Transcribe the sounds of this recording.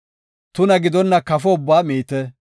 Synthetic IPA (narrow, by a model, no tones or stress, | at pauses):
t̪ʊnɐɡɪd̪ɔnːɐkɐfɔʊbːaːmiːt̪ɛ